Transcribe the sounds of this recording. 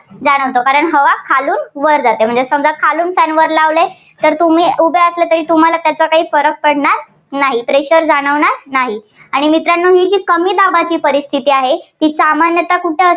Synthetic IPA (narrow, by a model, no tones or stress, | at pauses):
d͡zaɽ̃əʋt̪okaɾəɳɦəʋakʰaluːnʋəɾd͡zat̪em̤əɳd͡zesəmd͡zakʰaluːnfænʋəɾlaʋle | t̪əɾt̪um̤iːubeəslet̪əɾiːt̪um̤alat̪jat͡sakaɦiːfəɾək̚pəɽɳaɾ | naɦipɾeɕəɾd͡zaɽ̃əʋɳaɾnaɦi | aɽ̃imit̪ɾanːoɦiːd͡ʑiːkəmiːd̪abat͡ɕiːpəɾist̪ʰit̪iːaɦet̪iːsamanjət̪akuʈʰeə